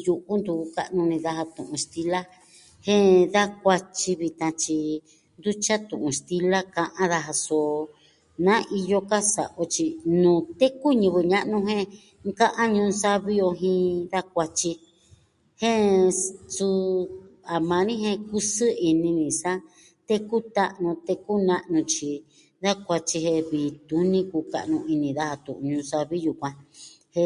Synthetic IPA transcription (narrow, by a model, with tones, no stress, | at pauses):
ju˧ʔu˦nd̪u˧u˧ka̰˦ʔnũ˧nĩ˧ða˧ɦa˧t̪ṵ̃˨ʔũ˧st̪i˧la˦ | hẽ˦ða˦k̚ʷa˧t͡ʃi˧βi˧t̪ã˧t͡ʃi˧ | nd̪u˦t͡ʃa˦t̪ũ˨ʔũ˧st̪i˧la˦kã˧ʔã˦ða˧ɦa˧so˨˧ | nã˦ʔi˧jo˧ka˦sa̰˨ʔo˧t͡ʃi˧nũː˨t̪e˦ku˦ɲũ˧βɨ˧ɲã˦˧ʔnũ˧ɦẽ˦ | kã˦ʔã˦ɲũ˧nsa˦βi˦jo˧ɦĩ˧ða˦k̚ʷa˧t͡ʃi˧ | hẽ˦ | t͡su˧ | a˨mã˧nĩ˦ɦẽ˧ku˦sɨ˦i˧nĩ˧nĩ˨sa˦ | t̪e˦ku˦t̪a˦ʔnũ˧t̪e˧ku˦nã˧ʔnũ˧t͡ʃi˧ | ða˦kʷa˧t͡ʃi˧ɦe˧βi˨t̪u˧˦nĩ˦ku˧ka̰˧ʔnũ˧i˧nĩ˧ða˦ha˧t̪ṵ̃˨ʔũ˧ɲũ˧sa˧βi˦ju˨kʷã˧ | he˧